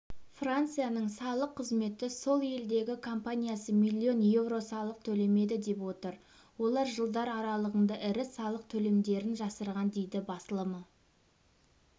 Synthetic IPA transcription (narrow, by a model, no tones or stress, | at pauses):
frant̪sɨjanəɴsɑlˠəqʰːəzme̞t̪ɪso̞lˠje̞ld̪e̞ɡʲɪkʰo̞mpanʲijasəmijlʲːio̞nje̞vro̞sɑlˠəq̚t̪ʰɵle̞me̞d̪ɪd̪e̞pwo̞t̪əɾ | wo̞lˠɑɾʒəlˠd̪ɑɾɑɾɑlˠəʁənd̪ɑʔɪɾɪɑlˠəq̚t̪ʰɵle̞md̪e̞ɾɪnʒɑsəɾʁɑnd̪e̞jd̪ɪbɑsəlˠəmə